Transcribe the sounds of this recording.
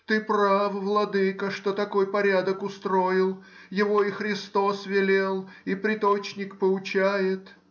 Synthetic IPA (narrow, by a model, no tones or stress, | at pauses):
t̪ɨprafvlˠɐd̪ɨkəʂt̪o̞t̪ɐko̞jpɐɾʲad̪əkʊst̪ɾo̞ɪlˠ | jɪvo̞ɪxɾʲɪst̪o̞svʲɪlʲelˠ | ipɾʲɪt̪o̞t͡ɕnʲɪkpəʊt͡ɕæjɪt̪